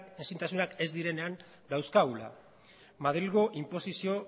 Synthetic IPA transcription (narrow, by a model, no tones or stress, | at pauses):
ensint̪asunake̞zd̪iɾe̞ne̞an | d̪awskaula̰ | maðɾilɣo̞ʔimpo̞sisio̞